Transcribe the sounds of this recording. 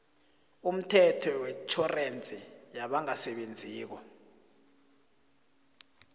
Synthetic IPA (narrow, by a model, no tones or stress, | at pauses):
um̩tʰɛtʰɔwɛt͡ʃʰɔrent͡sʼijaɓaŋasɛɓend͡zʱiːk̬ɔ